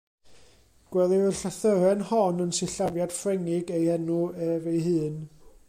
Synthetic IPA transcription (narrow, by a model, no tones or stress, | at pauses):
ɡ̥wɛlˠɪəɬaθəɾɛnhɔnənsɪɬavjad̥frɛŋɪɡejhɛnuɛvejɦɨːn